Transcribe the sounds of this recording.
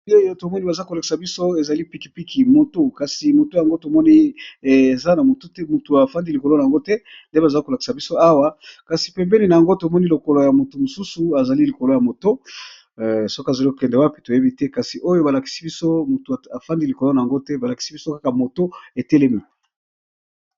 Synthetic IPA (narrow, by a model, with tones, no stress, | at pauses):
o˦jo˦to˨mɔ˦ni˦ba˨za˦ko˨la˨ki̥˨sa˨bi˦so˦e˨za˨li˦pi˨˦ki˨pi˦kʰi˨mo˨to˦ka˨si˨mo˨to˦ja˨ŋɡo˦to˨mɔ˦ni˦e˨za˦na˨mo˨to˦tɛ˦mu˨tu˨a˨fa˦ndi˦li˨ko˨lo˦na˨a˨ŋɡo˦tɛ˦nde˦ba˨za˨i˦ko˨la˨ki̥˨sa˨bi˦so˦a˦wa˦ka˨si̥˨pɛ˨mbɛ˦ni˨na˨ja˨ŋɡo˦to˨mɔ˦ni˦lo˨ko˨lo˨ja˨mo˨tu˨mo˨su˦su˨a˨za˨li˦li˨ko˨lo˨ja˨mo˨to˦˨ | so˦ka˨za˨li˦ko̥˨kɛ˨ndɛ˨wa˦pi̥˨to˨je˦bi˦tɛ˦ka˨si˨ʔo˦jo˦ba˨la˨ki̥˨si˦bi˦so˦mu˨tu˨a˨a˨fa˦ndi˦li˨ko˨lo˦na˨ja˨ŋɡo˦tɛ˦ba˨la˨ki̥˨si˦bi˦so˦ka˦ka˨mo˨to˦e˨tɛ˦le˦mi˨